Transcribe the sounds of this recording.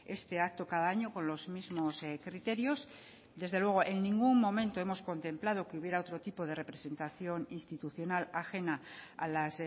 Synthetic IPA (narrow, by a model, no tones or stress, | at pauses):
e̞st̪e̞ak̚t̪o̞kaðaaɲo̞ko̞nlo̞zmizmo̞skɾit̪e̞ɾjo̞s | d̪e̞zðe̞lwe̞ɣ̞o̞ʔe̞nːĩŋɡumːõ̞mẽnt̪o̞emo̞sko̞nt̪e̞mplað̞o̞keuβje̞ɾao̞t̪ɾo̞t̪ipo̞ð̞e̞re̞pɾe̞se̞nt̪aθjo̞ninst̪it̪uθjo̞nalaxe̞naa̰las